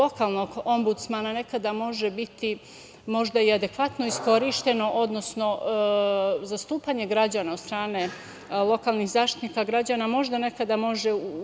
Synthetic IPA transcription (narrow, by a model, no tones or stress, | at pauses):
o̞kalˠno̞ɡo̞mbut̪smanane̞kad̪amo̞ʒebit̪i | mo̞ʒd̪aiad̪e̞kʋat̪no̞isko̞ɾiʃt̪e̞no̞ʔo̞d̪no̞sno̞ | zast̪uːpaɲe̞ɡɾad͡ʑaːnao̞d̪st̪ɾaːne̞ | lˠo̞kalˠnixzaːʃt̪i̥t̪niːkaɡɾad͡ʑaːnamo̞ʒd̪ane̞kad̪amo̞ʒeu